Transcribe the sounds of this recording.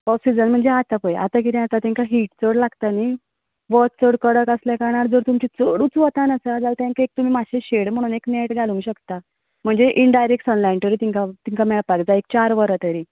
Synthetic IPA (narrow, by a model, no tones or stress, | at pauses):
pɔsid͡zənm̤əɳd͡zeat̪apəja̰t̪ak̬it̪ĩat̪at̪ɛ̃ŋkaɦiːʈt͡səɽlaɡt̪ani | ʋɔtt͡səɽkəɽəkəsljakaɾɳaɾd͡zəɾt̪umt͡ɕit͡səɽũːt͡sʋət̪anəsəd͡zalt̪ãŋkaek̚t̪um̤iːmaɕeɕeɽm̤əɽ̃uːnekneʈɡʱalũŋɡɕəkt̪a | m̤əɳd͡zeʔiɳɖajɾekʈɔnlajnt̪əɾit̪iŋkat̪iŋkamɛɭpakd͡zaek̚t͡ɕaɾʋəɾət̪əɾiː